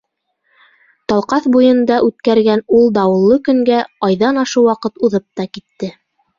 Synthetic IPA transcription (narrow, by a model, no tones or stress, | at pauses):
t̪ɑlˠqɑθbujɤ̆nd̪ɑʔʉt̪kæɾɡænulˠd̪ɑwɤ̆lˠːɤkɵ̆ŋɡæɑjðɑnɑʃɤwɑqɤt̪uðɤp̚t̪ɑkit̪ːɘ